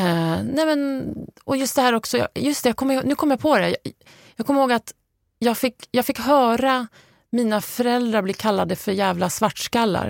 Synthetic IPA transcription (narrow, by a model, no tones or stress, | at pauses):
nɛmɛnʔɔjɵst̪d̪ɛhæːɾɔksɔjɑ̰jɵst̪ɛjɑːɡkɔmːəɾhoːnʉ̟ːkʰɔmːəjɑːpʰɔd̪ɛj | jɑːɡkʰɔmːɾhoːɡat̪ | jɑːɡfɪkːjɑːɡfɪkːɦœːɾa | miːnafœɾɛld̪ɾaɾbliːɾkʰalːad̪əfœɾjæːvlasvaʈːʂkalːa̰ɾ